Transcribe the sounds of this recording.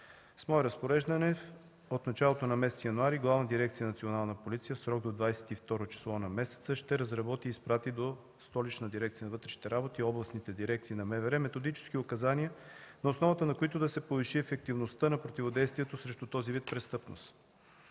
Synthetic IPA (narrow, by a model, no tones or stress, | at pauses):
smɔɛɾɐspoɾɛʒd̪ɐnɛ | ot̪nɐt͡ʃalˠot̪onɐmɛsɛt̪sjɐnuaɾiɡlˠavnəd̪iɾɛk̚t̪sijənɐt̪sionalˠnəpolit̪sijəfsɾɔɡ̚d̪od̪vajsɛ̥t̪ift̪ɔɾot͡ʃi̥slˠɔnɐmɛsɛ̥t̪səʃt̪ɛɾɐzɾɐbɔt̪iːspɾat̪id̪o | st̪ɔlit͡ʃnəd̪iɾɛkt̪sijənɐvɤt̪ɾɛʃni̥t̪ɛɾabot̪iːɔblˠɐsnit̪ɛd̪iɾɛk̚t̪siːnɐmɛvɛɾɛmɛt̪od̪it͡ʃɛ̥sk̟iʊkɐzaniənɐosnɔvət̪ənɐkoit̪ʊd̪ɐsɛpoviʃiɛfɛk̚t̪ivnost̪ənɐpɾot̪ivod̪ɛjst̪vijɛt̪osɾɛʃt̪ut̪ɔzivit̪̚pɾɛst̪ɤpno̰s